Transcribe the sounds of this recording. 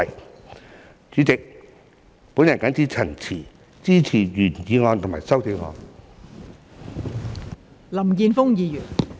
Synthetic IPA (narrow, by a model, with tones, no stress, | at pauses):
j | t͡syː˨˥t͡sɪ˨k̚ | puː˨˥njɐ˨nkaː˨˥nt͡siː˥t͡sʰɐ˨˩ŋt͡sʰiː˨˩ | t͡siː˥t͡sʰiː˨˩jyː˨˩njiː˨˧ŋɔː˨˧nt̪ʰmaː˨˩jsɐ˥wt̪ʰi˨˧wŋɔ̰ː˧n | lɐ˨˩mkiː˧nfʊ˥ŋjiː˨˧jyː˨˩n